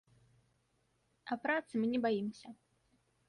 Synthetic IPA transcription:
ɐpɾat̪sɨmɨnʲɛbajimsʲɐ

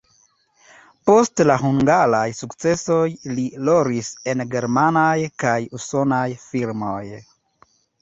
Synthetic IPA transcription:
po̞stlaɦuŋɡalajsukt͡se̞so̞jliloɾise̞nɡe̞ɾmanajkajuso̞najfiɾmo̞j

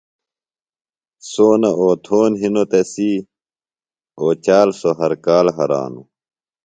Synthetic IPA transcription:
soːnɐʔoːt̪ʰoːnɦinot̪esi | oːt͡ɕaːlsoɦɐɾkaːlɦɐɾa̰ːnṵ

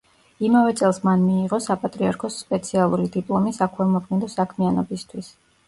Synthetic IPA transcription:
imavɛt̪sʼɛlˠsmanmiːʁɔsapʼat̪ʼɾiaɾkʰɔsːpʼɛt̪sʰialˠuɾid̪ipʼlˠɔmisakʰwɛlˠmɔkʰmɛd̪ɔsakʰmianɔbist̪ʰwis

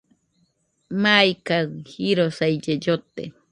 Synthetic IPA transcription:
majkaŋhiɾosajd͡ʒed͡ʒot̪ḛ

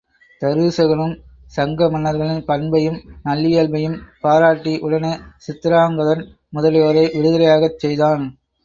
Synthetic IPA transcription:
t̪ɐɾɯːsɐɣɐɭɯm | sɐŋɡɐmɐnːɐɾɣɐɭɪnpɐɳbɐjɯmnɐlːɪjeːlbɐjɯmpaːɾaːʈːiʔʊɽɐnesɪt̪ːɪɾaːŋɡɐðɐn | mʊðɐljoːɾɐɪʔɪɽɯðɐlɐjaːɣɐt͡ʃːɛjðaːn

